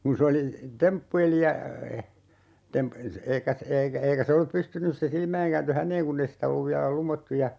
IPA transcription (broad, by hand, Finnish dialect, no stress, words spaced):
kun̞ se oli tempːueli jɑ tem eikæ eikæ eikæ se olːup pystynys se silmæiŋ kæːntø hænˑeːŋ kunː ei sitæ olːuʋ ʋiælæ lumotːu jɑ